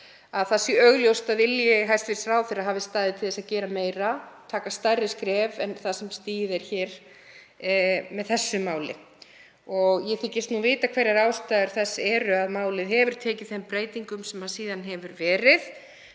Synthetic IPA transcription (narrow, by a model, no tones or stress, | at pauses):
aðθasɪœɣljowst̪aðvɪljɪɦajst̪vɪɾ̥sɾaːwθɪɾaɦaːvɪst̪aːðɪt̪ʰɪlðɛsaðcɛːɾameːjɾat̪ʰaːkast̪ajrɪskɾɛːvɛnθasɛmst̪iːjɪðɛɾ̥çɛːɾ̥ | mɛðθɛsːʏmaːwlɪ̰ | ɔɣjɛθɪcːɪst̪nuvɪːt̪akʰvɛɾɛɾaːwst̪aːðʏɾ̥θɛsːɛːɾʏaðmaːwlɪðɦɛvʏɾ̥t̪ʰɛːcɪ̥θɛmpɾeːjt̪iŋkʏmsɛmhaðsiːðanɦɛvʏɾvɛːɾɪð